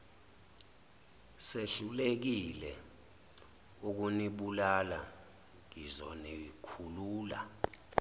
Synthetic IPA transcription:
seɬulek̬ilɛ | uk̬uniɓulala | ŋizɔnikʰuluːla̰

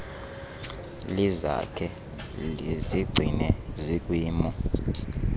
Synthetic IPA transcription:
liza̰kʰɛ | liziɡ͡ǀʱinɛzikʼwiːmɔ

